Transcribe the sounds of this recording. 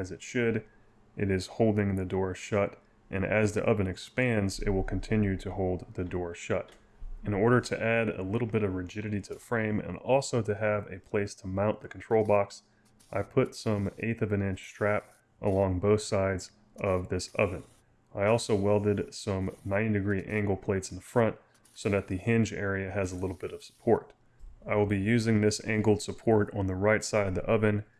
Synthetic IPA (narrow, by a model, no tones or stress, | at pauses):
ɨzɨtʃɨɾ | ʔɨɾɪz̥hoʊlˠdɪ̃ŋðɨdɔɹʃʌɾ | ʔɨ̰̃nɨzðiʔʌvɨ̃nɨkspæ̃ndzɪ̰t̚wəlˠkʰn̩tʰɪ̃njʉɾɨhoʊlˠd̪̚ðɨdɔɹʃʌɾ | ɨ̃nɔɹɾə˞ɾɨʔæɾə̰lɪɾl̩ˠbɪɾʌvɹɨd͡ʒɪɾɨɾiɾɨfɹẽɪ̃mɨ̰̃nɔlˠsoʊɾɨːvɨpʰl̥eɪstʰəmãʊ̃nðɨkʰn̩tʰɹ̥oʊlˠbɑks | ʔaɪpʰʊtsʌ̃mḛɪθʌvɨ̃nɪ̃nt͡ʃstʰɹ̥æp | ʔəlɔ̃ŋboʊθsaɪdz | ʔʌvðɪsʌ̰vɨ̃n | aɪɔlˠsoʊwɛlˠdɨdsʌ̃mnãɪ̃ndɨɡɹiʔæ̃ŋɡl̩ˠpʰl̥eɪtsn̩ðəfɹʌ̃nt̚ | soʊðɨt̪̚ðɨhɪ̃nd͡ʒɛɹiɨɨzəlɪɾl̩ˠbɪɾʌv̥sə̥pʰɔɹɾ | aɪwəlˠbijʉzɪ̃ŋðɪsæ̰̃ŋɡl̩ˠd̥səpʰɔɹɾn̩ðəɹaɪtsaɪɾʌvðiʔʌvɨ̃n